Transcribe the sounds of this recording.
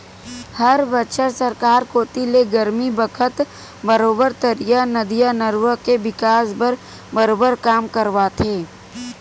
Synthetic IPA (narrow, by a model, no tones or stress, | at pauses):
hɐɾbɐtʃəɾsəɾkaːɾkoːt̪ileɡɐɾmibəkʰət̪ | bɐɾoːbəɾt̪əɾijanɐd̪ijanəɾwəkebɪkaːsbəɾ | bəɾoːbəɾkaːmkəɾʋat̪ʰeː